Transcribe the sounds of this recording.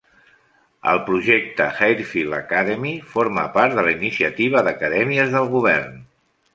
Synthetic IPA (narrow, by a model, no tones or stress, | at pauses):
ə̰lˠpɾuʒɛk̚t̪əxajɾfilə̰kaðəmifoɾmə̰paɾt̪d̪ələinisiət̪iβ̞əðəkəðɛmiəzðəlˠɣuβ̞ɛɾn